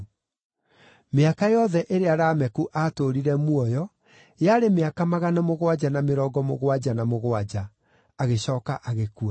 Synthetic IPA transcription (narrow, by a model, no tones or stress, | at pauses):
meakajɔðɛʔeɾeaɾaːmɛkuʔaːtoɾiɾɛmwɔjɔ | jaɾemeakamaɣanamoɣwad͡ʑanameɾɔːɡɔmoɣwad͡ʑanamoɣwad͡ʑaː | ɣeɕɔːkaʔaɣekua